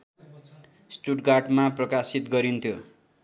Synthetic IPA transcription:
sʈuʈɡaʈmaprʌkasit̪ɡʌɾint̪ʰjo

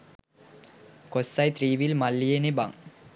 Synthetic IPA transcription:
kosːajt̪ɾiːʋilmalːijeneba̰ŋ

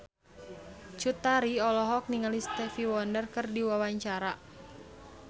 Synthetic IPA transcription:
t͡ʃut̪aɾiɔlɔɦɔk̚niŋalist̪ɛfiwɔndərkɨrdiwawaɲt͡ʃaɾa

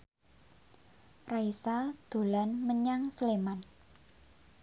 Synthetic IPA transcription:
raisad̪̥o̤lanməɲaŋsəleman

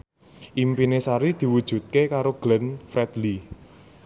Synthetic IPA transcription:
ʔimpinesaɾid̪̥i̤wud̥ʒ̥ṳt̪̚kekaɾoɡ̥lənfɾɛd̪li

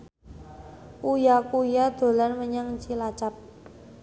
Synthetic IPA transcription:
ʔujakujad̪̥o̤lanməɲaŋt͡ʃilat͡ʃap̚

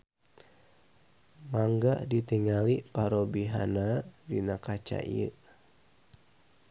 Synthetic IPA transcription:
maŋɡaʔdit̪iŋalipaɾobiɦa̰nadinakat͡ʃa̰ʔḭə̰

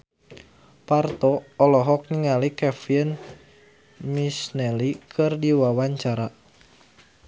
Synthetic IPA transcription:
part̪ɔːlɔɦɔk̚niŋalikɛfiən | misnɛlikʰɨrdiwawaɲt͡ʃaɾa

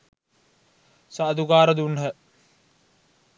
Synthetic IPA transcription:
sad̪uɡaːɾəd̪unɦə

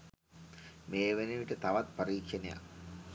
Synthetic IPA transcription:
meːʋeniʋiʈət̪aʋat̪̚pɐɾiːkʂeneja̰

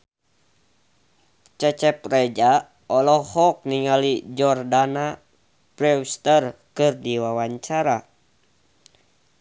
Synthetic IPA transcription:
t͡ʃɛt͡ʃɛprɛd͡ʒa | ɔlɔhɔk̚niŋalid͡ʒɔrdana | b̥ɾɛwst̪ərkɨrdiwawaɲt͡ʃaɾa

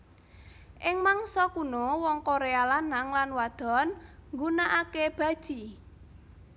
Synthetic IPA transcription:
ʔɪŋmaŋsɔkunowɔŋkoɾealanaŋlanwad̪̥ɔ̤nŋɡunaʔakeb̥a̤d̥ʒ̥i̤

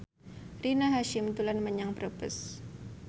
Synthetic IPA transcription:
rinaɦaʃɪmt̪ulanməɲaŋbɾəbəs

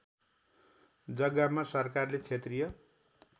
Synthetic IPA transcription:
d͡zʌɡamasʌrkarlet͡sʰet̪rijʌ

